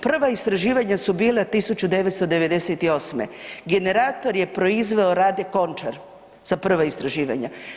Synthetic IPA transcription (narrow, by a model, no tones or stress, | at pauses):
pr̩ʋaist̪ɾaʒiːʋaɲasubiːlˠat̪isut͡ɕud̪e̞ʋet̪st̪od̪e̞ʋe̞d̪e̞set̪io̞smḛɡe̞ne̞ɾaːt̪o̞ɾje̞pɾo̞izʋe̞o̞ɾaːd̪e̞ko̞nt͡ʃaɾ | z̥apr̩ʋaist̪ɾaʒiːʋa̰ɲa